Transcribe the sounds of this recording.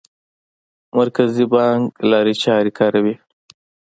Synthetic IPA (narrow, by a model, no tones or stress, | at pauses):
mɐɾkazibɑŋɡlɑːɾit͡ʃɑːɾikʰɑːɾɐwi